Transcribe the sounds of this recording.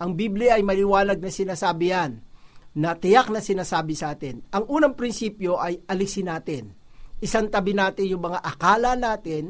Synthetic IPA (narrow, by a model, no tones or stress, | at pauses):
ʔɐŋbiːblɪʔɐjmɐlɪwaːlɐɡ̚nɐsɪnaːsaːbɪjanːɐt̪ɪjak̚nɐsɪnaːsaːbɪsɐʔaːt̪ɪnʔɐŋʔuːnɐŋpɾɪnsiːpjo̞ʔɐjʔɐlɪsɪnaːt̪ɪn | ʔɪsaŋt̪ɐbɪnaːt̪ɪnjʊŋmɐŋaʔɐkaːlɐnaːt̪ɪn